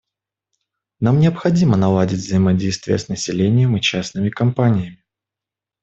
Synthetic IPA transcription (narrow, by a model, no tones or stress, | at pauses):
namnʲɪəpxɐdʲimənɐlˠadʲɪtʲvzəjɪmɐdʲejst̪vʲɪjə̰snəsʲɪlʲenʲɪjəmɨt͡ɕasnɨmʲɪkɐmpanʲɪjəmʲɪ